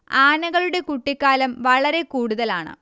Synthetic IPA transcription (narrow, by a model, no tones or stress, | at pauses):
aːnɐɣɐɭuɽe̞kuʈːikːaːlɐmʋɐɭɐɾe̞kuːɽuðɐlaːɳɨ̰